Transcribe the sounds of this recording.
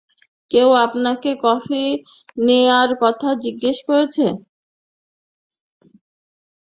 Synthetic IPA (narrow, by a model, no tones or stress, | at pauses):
kewapnakekɔfi | neaɾkɔt̪ʰad͡ʑiɡːeʃkoɾet͡ɕʰe